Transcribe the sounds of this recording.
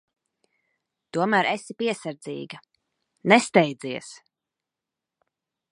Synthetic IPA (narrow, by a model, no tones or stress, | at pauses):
t̪uɔmæːɾesipiɛsaɾd̪zḭːɡɐ | nɛst̪ɛjd̪ziɛs